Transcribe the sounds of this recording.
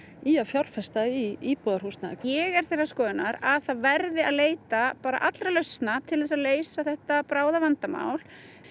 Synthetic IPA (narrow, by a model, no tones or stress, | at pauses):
iafjar̥fɛst̪aiiːpɔːðaɾhusnaðɪkʰjɛɣɛɾ̥θejrḁskɔːðɪnaɾaðθaðvɛɾðɪaðleːjt̪apaːɾa̰ʔat̪lɾalœɥsnat̪ʰɪlθɛs̬aðleːjsaθɛht̪apɾaːwðavant̪ama̰ːwl̥